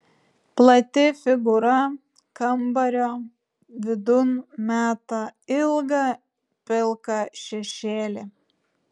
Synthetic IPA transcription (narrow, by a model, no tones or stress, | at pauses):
plˠɐt̪ʲɪfʲɪɡʊɾɐ | kɐmbɐɾʲoː | ʋʲɪd̪ʊnmʲæːt̪ɐɪlˠɡɐ | pʲɪlˠkɑʃʲɛʃʲeːlʲɪ